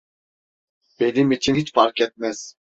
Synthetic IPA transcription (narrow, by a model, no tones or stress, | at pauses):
b̥enimit͡ʃʰinit͡ʃfaɾkɛt̪̚mɛz̥